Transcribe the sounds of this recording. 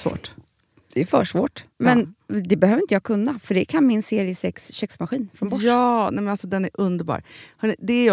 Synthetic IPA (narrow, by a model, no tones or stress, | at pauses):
vo̰ːʈ | d̪̥ɛfœːʂvoːʈmɛnd̪ɛbɛhøːvəɾɪnt̪əjɑːkʰɵnːafœɖɛkʰanmɪnseːɾɪəsɛksɕɛksmaɧiːnfɾɔnbɔʂɑːnɛmɛnalsɔd̪ɛnæɾɵnd̪əɾbɑ̰ːɾhɑɳɪd̪ɛæ